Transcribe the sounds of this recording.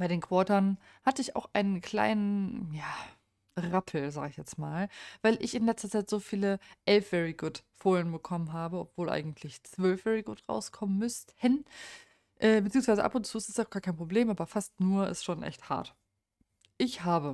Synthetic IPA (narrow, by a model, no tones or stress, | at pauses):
b̥aɪɾeːnkv̥ɔːtɐn | hatəɪça̰ʊxʔaɪnənkʰl̥a̰ɪnənjaː | ʁapʰl̩za̰ːɡəɪçjɛt͡smaːlvaɪlʔɪçɪnlɛt͡stɐt͡saɪtz̥oːfiːləʔɛlfv̥ɛʁiɡʊtfoːɐjənbəkʰɔmənɦaːbəɔpv̥oːlʔa̰ɪɡŋ̩tʰlɪçt͡sv̥œlfv̥ɛʁiɡʊtʁa̰ʊskʰɔmənmʏstən | ʔɛːbət͡siːʊŋsvaɪzə̰ʔa̰pʊntt͡suːɪstɪsaʊɡ̥aːkʰaɪnpʁ̥obleːmʔaːbɐfastnuːɐʔɪ̰stʃoːnʔɛ̰çtha̰ɐt | ʔɪçhaːbə